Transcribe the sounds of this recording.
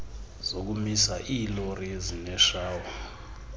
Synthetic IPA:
z̥ok̬umisaʔiːloriezinɛʃaːwa

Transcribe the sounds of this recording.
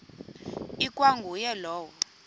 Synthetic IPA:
ikʼwaŋɡʱujɛlɔːwɔ

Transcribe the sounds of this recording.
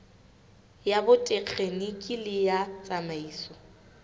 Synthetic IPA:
jabʊtʼek͡xʰenɪkʼilɪjat͡sʼamaiːsɔ

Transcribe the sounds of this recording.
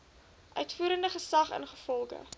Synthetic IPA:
ʔœɥtfuːɾəndəχəsɐχə̰nχəfɔlˠɡə̰

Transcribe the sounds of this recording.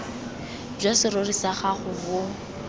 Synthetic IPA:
b͡ʐasɪrorisaχaχʊbʊ

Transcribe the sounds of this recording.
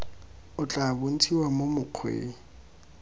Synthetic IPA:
ʊt͡ɬʼabon̩tʰiwamomʊq͡χʰwḛː

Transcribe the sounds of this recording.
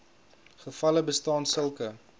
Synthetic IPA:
χəfɐləbəstɑːnsəlˠkə

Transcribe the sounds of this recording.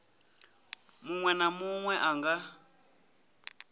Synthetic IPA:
muŋwɛnamuŋwɛʔaŋɡa

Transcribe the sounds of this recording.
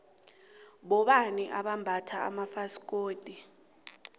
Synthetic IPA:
ɓɔɓaniʔaɓambʱatʰa̰ːmafask̬ʼoːdʼi

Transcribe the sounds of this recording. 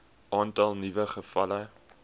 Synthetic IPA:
ʔɑːntɐlˠnivəχəfɐ̰lə

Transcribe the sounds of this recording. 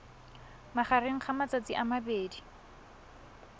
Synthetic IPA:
maχareŋ̩χamat͡sat͡siʔamabeːdi

